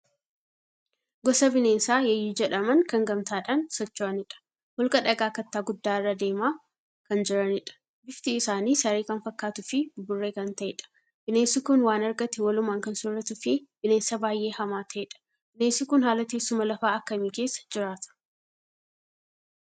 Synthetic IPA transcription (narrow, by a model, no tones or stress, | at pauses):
ɡɔsɐbɪneːnsaːjɛjːiːd͡ʒɛᶑɐmɐnkɐŋɡɐmt̪aːᶑaːnsɔt͡ʃːaːnɪᶑɐ̥ | hɔlkɐᶑɐɡaːkɐt̪ːaːɡʊd̪ːaːɪrːɐd̪e̞ːmaː | kɐnd͡ʒɪɾɐnɪᶑɐ̥ | bɪft̪iɪsaːniːsɐɾeːkɐnfɐkːaːt̪ʊfɪbʊrːe̞ːkɐnt̪ɐʔɛ̰ᶑɐ̥ | b̥ɪneːnsɪkʊnwaːnɐɾɡɐt̪ɪwɐlʊmaːŋkɐnsʊrːɐt̪ʊfɪb̥ɪne̞ːnsɐbaːjʔe̞ːhɐmaːt̪ʰɐʔɛᶑɐ̥ | b̥ɪneːnsɪkʊnhaːlɐt̪eːsːʊmɐlɐfaːɐkːɐmiːke̞ːsːɐ̥d͡ʒɪɾaːt̪ɐ̥